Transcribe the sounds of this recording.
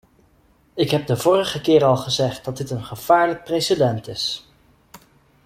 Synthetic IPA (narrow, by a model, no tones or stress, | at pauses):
ɪkɦɛb̚dəvʊːrəχəkɪːɾɑlˠχəzɛχt̚dɑt̚dɪtənχəv̥aːɹlək̚prejsədɛntɪs